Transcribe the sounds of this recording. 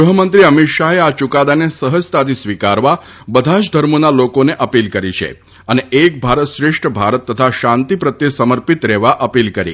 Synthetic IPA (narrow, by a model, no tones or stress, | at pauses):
uɦəmənt̪ɾiəmit̪ʃaɦeat͡ʃukad̪anesəɦəst̪at̪isʋikaɾʋa | bəd̪ʱaʃd̪ʱəɾmonalokoneʔəpilkəɾit͡ʃʰḛ | əneek̚bʱaɾət̪ʃɾɪʂʈʰəbʱaɾət̪ːət̪ʰaʃãnt̪ipɾət̪jesəməɾpit̪ɾɛʋaʔəpilkəɾḭ